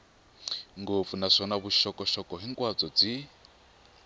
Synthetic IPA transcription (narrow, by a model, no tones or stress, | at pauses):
ŋɡop̪funaʂɔnaβuʃɔkɔʃɔkɔɦiŋkʼwad͡zɔd͡zi